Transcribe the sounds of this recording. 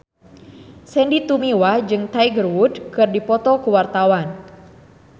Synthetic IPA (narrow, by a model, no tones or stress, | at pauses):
sɛndit̪umiwad͡ʒɨŋt̪ajɡərwudkɨrdipɔt̪ɔkuwart̪awan